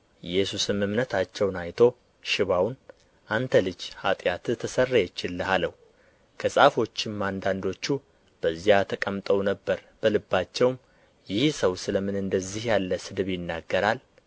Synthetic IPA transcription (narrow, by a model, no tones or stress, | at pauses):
jɛsusɨmɨmnət̪ʰat͡ʃːɛwnajt̪ʰo̞ | ʃɪβawn | ʔant̪ʰəlɨd͡ʒhat̪ʼjat̪ɨt̪ʰəsərːajɛt͡ʃːɪlːəhaləhu | kʰəsʼafo̞t͡ʃːɪmːand̪and̪o̞t͡ʃːu | b̥əzːijat̪ʰəkʼəmt̪ʼəwnəbːəɾb̥əlɨbːat͡ʃːɛwm | jɪhsəwsɨləmɨnɨnd̪əzːihjalːəsɨd̪βjɪnːaɡːəɾal